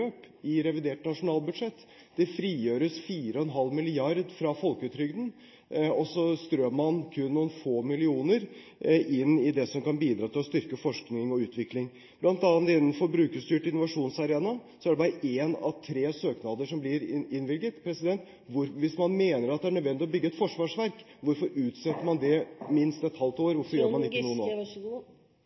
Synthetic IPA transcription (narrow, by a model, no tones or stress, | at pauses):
øːp | ɪɾɛʋɪd̪eːʈnɑʂʊnɑːlbʉd̪ʂɛt̪ː | d̪̥ɛfɾiːjøːɾəsfiːɾəɔɛnɦɑlːmɪlɪɑɾd̪fɾɑfɔlkəʉːt̪ɾʏɡd̪n̩ | ɔsɔst̪ɾøːmmɑnkʰʉnːuːənfoːmɪlɪuːnəɾ | ʔɪnːɪd̪ɛsɔmkɑnbiːd̪ɾɑːt̪ʰɪlɔst̪ʏɾkəfɔʂknɪŋɔʉːt̪ʋɪklɪŋ | b̥lɑnt̪ɑːnt̪ɪnnfɔɾbɾʉːkəst̪yːʈɪnʊʋɑʂuːnsɑɾeːnɑsɔæɖɛbɑːɾəʔeːnɑ̰ʋt̪ʰɾeːsøːknɑd̪əʂɔmblɪɾɪnʋɪlɡət̪pʰɾɛsɪd̪ɛnt̪ | ʋʊɾʋɪsmɑnmeːnəɾɑt̪̚d̪ɛæɳœd̪ʋɛnd̪ɪɔbʏɡːəɛt̪fɔʂʋɑːʂʋæɾk | ʋʊɾfɔɾʉːt̪sɛt̪ːəɾmɑnd̪ɛmɪnst̪ɛt̪hɑlt̪oːɾʋʊɾfɔɾjøːmɑnɪkːənuːəoː